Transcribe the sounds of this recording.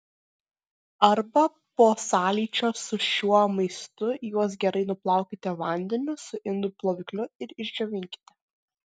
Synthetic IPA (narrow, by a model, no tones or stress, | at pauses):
ɐɾbɐ | poːsɑːlʲiːt͡ʃʲoːsʊʃʲuɔmɐɪst̪ʊjuɔs̬ɡʲɛɾɐɪnʊplˠɑˑʊkʲɪt̪ʲɛʋɐnʲd̪ʲɛnʲʊsʊʔɪnd̪ʊplˠoːʋʲɪklʲʊɪɾɪʒʲd͡ʒʲoːʋʲɪŋʲkʲɪ̥t̪ʲɛ